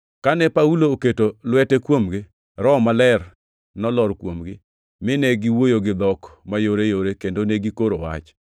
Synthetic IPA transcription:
kanɛpauloːketolwɛtɛkwomɡɪ | ɾɔmalɛr | nɔlɔɾkwomɡɪ | mɪnɛɡiwojoɡɪd̪ɔkmajoɾejoɾekendoneɡikoɾowa̰t͡ʃ

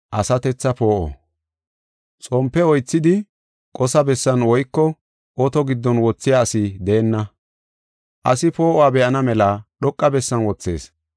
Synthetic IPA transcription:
ʔɐsɐt̪ɛt͡sːɐpo̞ːʔo̰ | t͡sʼɔmpːɛɔjt͡sːɪd̪ɪ | kʼɔsɐbɛsːɐnwɔjkːɔ | ʔɔt̪ɔɡɪd̪ːɔnwɔt͡sːɪjaːsɪd̪eːnːɐ | ʔɐ̰sɪpo̞ːʔɔwaːbɛʔɐnɐmɛlaɗɔkʼːɐbɛsːɐnwɔt͡sːe̞̰ːs

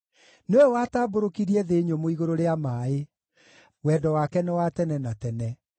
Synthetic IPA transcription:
newɛwaːtaːboɾokiɾiɛðeːɲomoiɣoɾoɾeamaːe | wɛːdɔwakɛnɛwatɛnɛnatɛnɛ

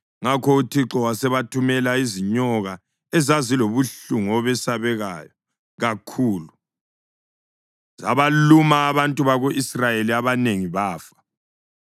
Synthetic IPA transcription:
ŋakʰɔutʰiǁɔwasɛβatʰumɛlaiziɲɔɣa | ɛzaziloβuɬuŋɔβɛsaβɛɣaːjɔ | ɣakʰuːlu | za̰βalumaːβantʼuβaɣoʔisrajeliaβaneŋiβaːfḁ

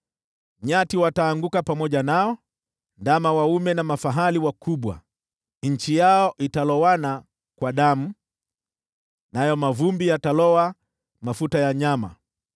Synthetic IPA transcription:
ɲatiwataːŋɡukapamɔʄanaɔ | ndamawaumɛnamafaɦaliwakʰuɓwa̰ | ɲ̩t͡ʃijaɔʔitalɔwana | kwaɗamu | najɔmavumbijatalɔwa | mafutajaɲama̰

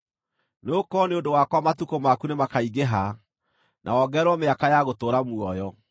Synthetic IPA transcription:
nokɔneodowakwamatukomakunemakaiɣeɦa | nʔa̰ɔɡɛɾwɔmeakajaɣotoɾamuɔjɔ

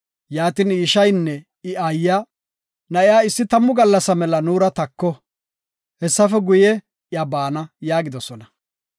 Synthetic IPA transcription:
jaːt̪iniːʃɐjnːɛ | ɪʔajːaː | nɐʔɪjaːɪsːɪt̪ɐmːʊɡɐlːɐsɐmɛlɐnuːɾɐt̪ɐkːɔ | hɛsːɐfɛɡʊjɛ | jɐbaːnɐjaːɡɪd̪ɔsɔnɐ

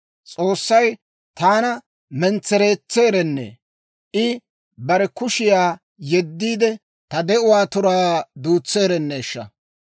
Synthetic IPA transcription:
t͡sʼoːsːɐj | t̪aːnɐ | mɛnt͡sːɛɾeːt͡sːe̞ːɾɛnːḛː | ʔɪ | bɐɾɛkʊʃɪjaː | jɛd̪ːiːd̪ɛ | t̪ɐd̪ɛʊwaːt̪ʊɾaːd̪uːt͡sːe̞ːɾɛnːeːʃːɐ̰

